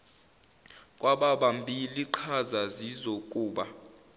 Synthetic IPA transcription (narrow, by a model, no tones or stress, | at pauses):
kʼwaɓaɓambʱiliǃʰazazizokʼuːɓa